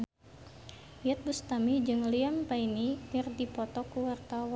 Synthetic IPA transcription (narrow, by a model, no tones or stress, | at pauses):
jat̪̚bust̪amid͡ʒɨŋliampainikɪrdipɔt̪ɔkuwart̪awa